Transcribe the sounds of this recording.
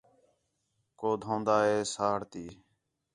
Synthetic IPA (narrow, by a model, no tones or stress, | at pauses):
koːd̪ʱõːnd̪aːɦeːsaːɽt̪iː